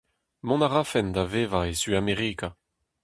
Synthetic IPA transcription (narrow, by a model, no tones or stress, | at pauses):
mɔ̃naʁafɛnd̪avevaesyameʁiːka